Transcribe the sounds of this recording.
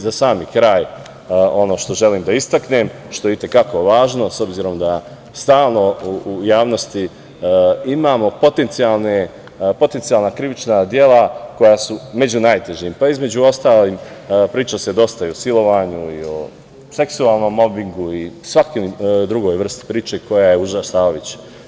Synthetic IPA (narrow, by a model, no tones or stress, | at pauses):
zasaːmikɾaːj | o̞no̞ːʃt̪o̞ʒe̞liːmd̪aist̪akne̞m | ʃt̪o̞jeit̪e̞kako̞ʋaːʒno̞so̞bziːɾo̞md̪a | st̪aːlˠno̞uujaːʋno̞st̪i | imaːmo̞po̞t̪e̞nt̪sijalˠne | po̞t̪e̞nt̪sijalˠnakɾiʋit͡ʃnad̪je̞lako̞jasume̞d͡ʑunaːjt̪e̞ʒimpaizme̞d͡ʑuo̞st̪aːliːmpɾiːt͡ʃase̞d̪o̞st̪aiosilo̞ʋaɲuio | se̞ksuaːlˠno̞mːo̞biŋɡuisʋakid̪ɾuɡo̞ːjʋr̩st̪i̥pɾiːt͡ʃe̞ko̞jaje̞uʒasaːoʋit͡ɕ